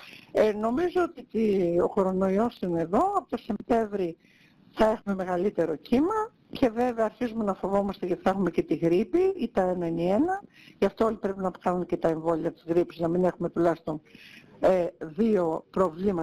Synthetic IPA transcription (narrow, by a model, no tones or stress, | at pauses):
eno̞mizoot̪it̪io̞ko̞ɾo̞no̞iosineðo̞ɐpot̪o̞sept̪e̞ɱvɾi | θɐe̞xume̞me̞ɣɐlit̪e̞ɾo̞cimɐ | cʰe̞ve̞veɐːɾçizume̞nɐfo̞vo̞mɐst̪eʝɐt̪i̥θɐexume̞ce̞t̪iɣɾipiit̪ɐenɐinie̞nɐ | ʝɐft̪oolipɾepinɐpxɐnunce̞t̪ɐe̞ɱvo̞liɐt̪i̥zɣɾipiznɐmine̞xume̞t̪ulɐçist̪o̞n | eðio̞pɾo̞vlimɐ